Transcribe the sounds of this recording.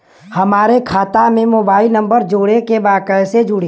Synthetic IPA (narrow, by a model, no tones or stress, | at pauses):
hɐmaːɾekʰaːt̪amẽmoːbaːɪlnɐ̃mbəɾd͡ʒoːɽekebaːkəjsed͡ʒʊɽe